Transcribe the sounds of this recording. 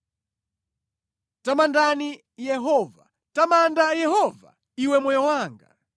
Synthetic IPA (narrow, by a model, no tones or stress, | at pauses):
tamandani | jɛɦɔva | tamandajɛɦɔva̰ | iwɛmɔjɔwaːŋɡa̰